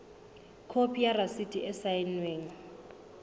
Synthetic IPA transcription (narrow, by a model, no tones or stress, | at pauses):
kʰopʰʼijarasitʼiʔɛsainweːŋ̩